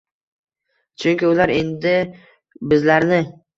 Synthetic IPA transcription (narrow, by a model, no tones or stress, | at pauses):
t͡ʃʰʊŋkʲɪʊlaɾe̞nd̪ɪ | bɪzlaɾnɪ